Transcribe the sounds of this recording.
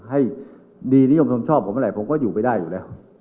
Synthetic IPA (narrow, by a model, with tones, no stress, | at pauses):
ɦa˥˩j | diː˧ni˦˥jo˧mnt̪ʰo˧mt͡ɕʰɔː˥˩pʰo˨˦mʔɾa˧˩jpʰo˨˦mkɔː˥˩juː˨˩pa˧jdaː˥˩jːuː˨˩ɛː˦˥˩w